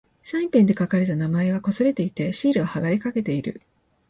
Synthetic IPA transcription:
sãĩmpẽ̞nd̪e̞kakaɾet̪anamaeβ̞ako̞sɨɾe̞t̪e̞it̪e̞ɕiːɾɯ̟ohaɡaɾʲikake̞t̪e̞iɾɯ̟̰

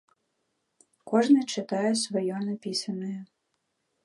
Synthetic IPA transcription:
kɔʐnɨt͡ʂɪt̪ɑjɛsvɔjɔnɐpʲisɐnɔjʊ

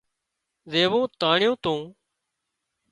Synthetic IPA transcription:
zeːʋõːt̪aːɳɪjõːt̪ũː

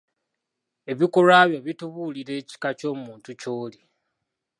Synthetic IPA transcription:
e̞βikolaβjo̞βituβuliɾe̞ːci̥kat͡ʃo̞ːmuːntucoːli

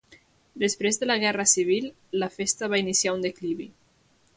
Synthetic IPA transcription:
d̪əspɾezðələɣ̞ɛrəsiβ̞ilˠː | əfest̪əβainisiaund̪ekliβi

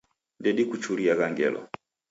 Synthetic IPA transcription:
ndɛɗikut͡ʃuliaɣaŋɡɛ̰lɔ̰

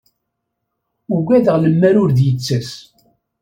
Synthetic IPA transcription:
uɡæðəʁləmːæɾʊɾðjət͡sːæs

